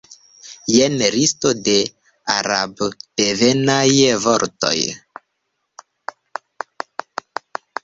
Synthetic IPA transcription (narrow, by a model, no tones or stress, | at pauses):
jenɾistode | a̰ɾa̰bd̥evenajvoɾto̰j